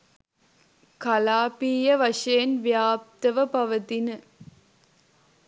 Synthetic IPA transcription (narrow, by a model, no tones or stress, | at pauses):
kɐlaːpiːjɐʋɐʂɐjɐnʋjaːp̚t̪ɐʋɐpɐʋɐt̪inə